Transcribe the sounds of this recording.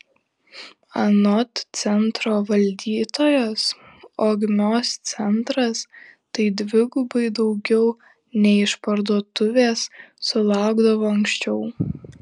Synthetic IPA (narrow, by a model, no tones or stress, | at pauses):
ɐnɔt̪sʲɛnt̪ɾoːʋɐlʲd̪ʲiːt̪oːjos | oːɡmʲoːst̪sʲɛnt̪ɾɐst̪ɐɪd̪ʲʋʲɪɡʊbɐɪd̪ɒʊɡʲɛʊ | nʲɛɪʃpɐɾd̪uɔt̪ʊʋʲeːsːʊlˠɑˑʊɡd̪ɐʋoːɐŋkʃʲt͡ʃʲɛʊ